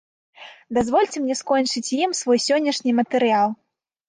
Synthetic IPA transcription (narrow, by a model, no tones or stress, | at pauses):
d̪azvɔlʲt͡sʲɛmnʲɛskɔnʲt͡ʂɨt͡sʲjimsvɔjsʲɔnʲːɐʂnʲimɐt̪ɨɾɨjalˠ